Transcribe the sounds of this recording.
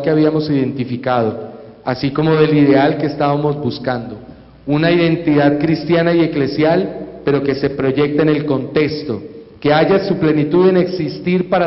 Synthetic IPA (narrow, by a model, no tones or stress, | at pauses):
ke̞aβiamo̞siðe̞nt̪ifikað̞o̞ | asiko̞mo̞ðe̞liðe̞alkeːst̪aβamo̞zbuskand̪o̞ | unaiðe̞nt̪iðaðkɾist̪janaje̞kle̞sjalpe̞ɾo̞ke̞se̞pɾo̞ʝe̞k̚t̪ene̞lko̞nt̪e̞kst̪o̞ke̞aʝasuple̞nit̪uðene̞ksist̪iɾpaɾa